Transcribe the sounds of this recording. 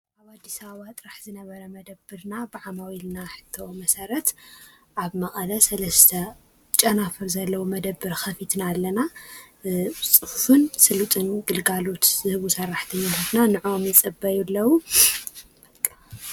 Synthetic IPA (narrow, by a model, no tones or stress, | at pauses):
ʔaβad̪ːisaβat̪ʼɨɾaħzɨnɐβɐɾɐmɐd̪ɐbːɨɾnabɨʕamawilnaħɨ̥t̪ʰːomɐsɐɾɐt̪ | ʔaβmɐχʼɐlɐsɐlɐst̪ʰɐ | t͡ʃʼɐnafɨɾzɐlːɐwumɐd̪ɐbːɨɾxɐfit̪nalːɐna | t͡sʼɨhufunsɨlut̪ʼɨnɡɨlɡalo̞t̪zɨhɨβusɐrːaħt̪ʰɐɲːanhɐt̪nanɨʕomjɨt͡sʼɨbɐjulːɐwu